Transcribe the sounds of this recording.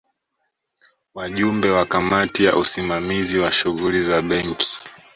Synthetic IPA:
waʄumbɛwakamatijaʔusimamiziwaʃuɣulizaɓɛŋkʰi̥

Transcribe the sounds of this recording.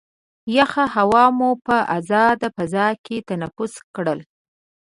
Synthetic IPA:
jaxahawɑmupəʔazɑd̪apazɑket̪anafʊskɽəl

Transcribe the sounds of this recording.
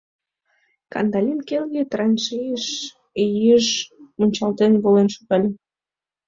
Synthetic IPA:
kɑ̰nd̪ɑlʲinkelɣet̪rɑnʃijəʃ | ejiʃmunʲt͡ɕɑlt̪enβolenʃuɣɑlʲe

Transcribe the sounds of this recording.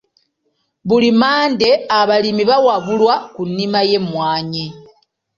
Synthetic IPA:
βulimaːnde̞aβalimiβawaβulwakunːimaje̞mwaːɲe

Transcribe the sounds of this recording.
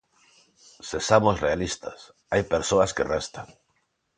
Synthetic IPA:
sesamosrealist̪as | ajpeɾsoaskerest̪aŋ

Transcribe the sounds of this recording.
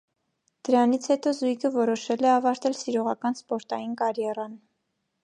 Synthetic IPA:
d̪̥əɾɑnit͡sʰhɛt̪ɔzujkʰəvɔɾɔʃɛlɛɑvɑɾt̪ɛlsiɾɔʁɑkɑnspɔɾt̪ɑjinkɑɾjɛrɑn

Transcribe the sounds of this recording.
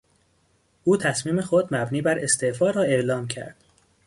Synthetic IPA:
ʔuːt̪ʰæsmiːme̞xod̪mæbniːbæɾʔe̞st̪efɒːɾɒːe̞ʔlɒːmcʰæ̰ɾd̪̥

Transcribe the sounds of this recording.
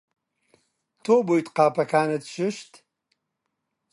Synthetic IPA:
t̪ʰoːbojt̪qaːpɐkʰaːnɐt̪ʃɨʃt̪

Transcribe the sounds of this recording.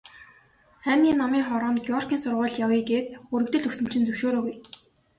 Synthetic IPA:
æmʲiːnamiːŋχɔɾɔːnt̪̚ɡʲiɔr̥kʲiːnsʊrʁʊːɮjawiːɡeːt̪ɵɾɵ̆kt̪ɵ̆ɮɵsɘ̆m̥t͡ɕɪ̆nt͡sɵwʃoːɾoːɡuj

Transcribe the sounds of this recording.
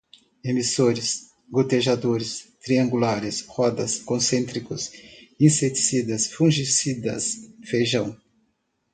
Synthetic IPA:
emisoɾɪs | ɡot̪eʒad̪oɾɪst̪ɾiɐ̃ŋɡulaɾɪshɔd̪ɐskõsẽnt̪ɾikʊsĩset͡ʃ̪i̥sid̪ɐsfũʒisid̪ɐ̰sfejʒɐ̃w̃

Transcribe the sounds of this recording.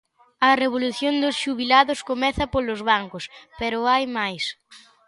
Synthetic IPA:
ɐreβ̞oluθjond̪ʊsʃuβilaðʊskomɛθɐpolʊzβaŋkʊspeɾʊajmajs

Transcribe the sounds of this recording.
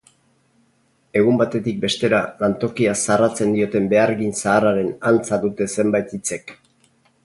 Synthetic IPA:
e̞ɣ̞umbat̪e̞t̪ik̚be̞st̪e̞ɾalant̪o̞kiasarat͡se̞nd̪io̞t̪e̞mbe̞aɾɣinsaːraɾe̞nant͡saðut̪e̞se̞mbajt̪it͡se̞k

